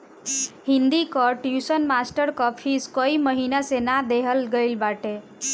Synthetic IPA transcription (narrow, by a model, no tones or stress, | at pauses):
ɦind̪ikɔʈjusənmasʈəɾkɔpʰiskəiməɦinasenad̪eɦəlɡəjlbaʈe